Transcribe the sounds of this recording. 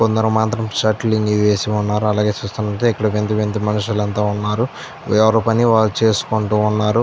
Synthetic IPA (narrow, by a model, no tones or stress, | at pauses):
kond̪ɐɾɐmaːnt̪ɾɐmt͡ʃaːʈliŋɡiʋeːsiunːaːɾuɐlaːɡe̞ːt͡ʃuːst̪unːɐʈ̪eɛkːɐɽɐʋend̪iʋend̪imɐniʂulɐnt̪aːunːaːɾu | ɛʋɐɾoːpɐniʋaːɭːut͡ʃeːsu̥koɳʈuːnːaːɾu